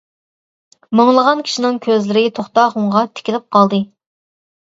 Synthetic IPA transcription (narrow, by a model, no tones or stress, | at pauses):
mɑŋlˠəʁɑnkʲʰi̥ʃinɪŋkʲʰøzlɪɾɪt̪ʰoχt̪ɑːχuŋʁɑt̪ʰɪ̥kʲilɪp̚qʰɑlˠd̪ɨ